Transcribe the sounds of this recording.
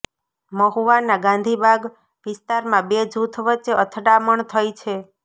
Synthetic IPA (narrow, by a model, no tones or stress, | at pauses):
məɦuʋanaɡãnd̪ʱibʱaɡ | ʋɪst̪aɾmãbed͡ʒʱut̪ʰʋətːʃeət̪ʰɖaməɳt̪ʰəjt͡ʃʰe